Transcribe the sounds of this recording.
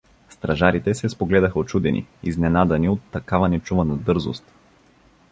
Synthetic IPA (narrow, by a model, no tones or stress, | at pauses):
st̪ɾɐʒaɾit̪ɛsɛspoɡlɛd̪ɐxɐot̪t͡ʃud̪ɛnḭiznɛnad̪ɐniot̪ːɐkavɐnɛt͡ʃuvɐnɐd̪ɤɾzo̰st̪